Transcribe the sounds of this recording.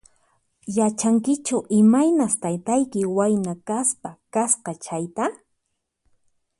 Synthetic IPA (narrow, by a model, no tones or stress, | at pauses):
jat͡ʃaŋkɪt͡ʃʊʔɪmajnast̪ajt̪ajkɪwajnakaspakasqɑt͡ʃajt̪a